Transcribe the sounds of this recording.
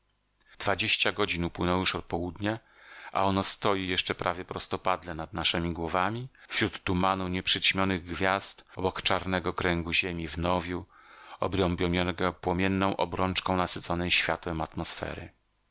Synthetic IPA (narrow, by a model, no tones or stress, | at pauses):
d̪̥vad͡ʑeɕt͡ɕaɡɔd͡ʑinupwɘnɔ̃w̃juʂɔt̪̚pɔwud̪ɲɛ | ʔa̰ɔnɔst̪ɔjijɛʂt͡ʂɛpɾʔavʲjɛpɾɔst̪ɔpad̪lɛnad̪naʂɛmʲiɡwɔvamʲifɕɾut̪ːumanuɲɛpʂɘt͡ɕmʲjɔnɘɣɡvʲjast̪ɔbɔkt͡ʂaɾnɛɡɔkɾɛŋɡuʑemʲivnɔvʲjuɔbɾɔmbʲjɔmʲjɔnɡɔpwɔmʲjɛnːɔ̃w̃ʔɔ̰bɾɔnt͡ʂkɔ̃w̃nasɘt̪zsɔnɛjɕfʲjat̪wɛmat̪mɔsfɛ̰ɾɘ̰